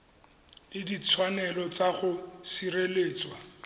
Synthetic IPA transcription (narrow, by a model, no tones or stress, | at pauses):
ɪdit͡sʰwanɛlɔt͡saχʊsireleːt͡swa